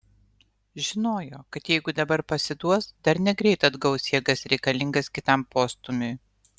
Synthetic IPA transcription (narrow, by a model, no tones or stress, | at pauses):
ʒʲɪnoːjoːkɐt̪jɛɪɡʊd̪ɐbɐɾpɐsʲɪd̪uɔsd̪̥ɐɾnʲɛɡɾʲɛɪt̪ɐd̪ɡɐʊsʲiɛɡɐsɾʲɛɪkɐlʲɪŋɡɐskʲɪt̪ɐmpoːst̪ʊmʲʊj